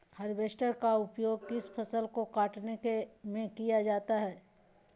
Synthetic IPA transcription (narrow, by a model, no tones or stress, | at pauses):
hɐɾbeːsʈəɾkaʊpjoːɡ̚kɪspʰɐsəlkokaːʈnekemẽkijad͡ʒaːt̪aɦɛː